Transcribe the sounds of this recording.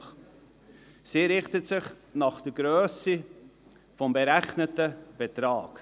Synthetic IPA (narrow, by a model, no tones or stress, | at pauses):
siːɾɪχtətsɪχnɑχd̥əɡɾøːsi | fɔmbeɾæχnətəb̥ɛtɾɑːk